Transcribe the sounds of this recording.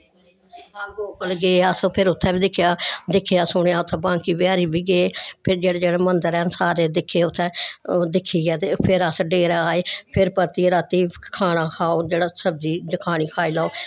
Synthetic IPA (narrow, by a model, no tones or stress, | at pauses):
aːɡoːpəlɡeeːəspʰɪɾʊt̪ʰːɛ̃ːbiːd̪ɪkʰːejaːd̪ɪkʰːejaːsʊɳjaːʊt̪ʰːɛ̃ːbãːŋkiːbɪjaːɾiːbiːɡeeːpʰɪɾd͡ʒeːɽeːd͡ʒeːɽaːmənd̪əɾɛːnsaːɾeːd̪ɪkʰːeːʊt̪ʰːɛ̃ːd̪ɪkʰːiːɡɛːt̪epʰɪɾəsɖeːɾaaːeːpʰɪɾpəɾt̪iːɾaːt̪iːkʰaːɽ̃aːkʰaːoːd͡ʒeːɽaːsəb̚d̪iːd̪ɪkʰaːɽ̃iːkʰaːiːlaːoː